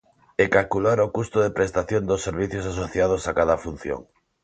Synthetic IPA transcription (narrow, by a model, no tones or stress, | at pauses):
ekalkulaɾokust̪oðepɾest̪aθjõnd̪osːeɾβiθjos̬asoθjað̞osakaðafun̟θjo̰ŋ